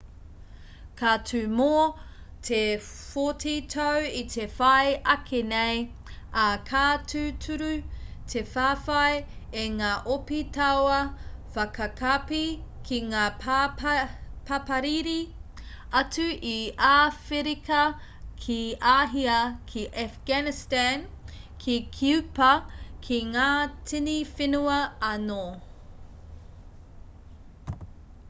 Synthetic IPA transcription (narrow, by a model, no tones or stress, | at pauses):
kʰatʰʉmoː | tʰe | fotʰitʰɐwitʰefɐjʔɐkʰenej | akʰaːtʰʉtʰuɾʉtʰefaːfɐjeŋaːʔopitɐwɐfɐkɐkʰapikʰiŋaː | pɐpɐɾiɾi | ɐt͡suʔiafeɾikɐ | kʰiaːɦiɐkʰiʔafɡ̥anistankʰikʰupɐkʰiŋaːtʰinifenuɐɐno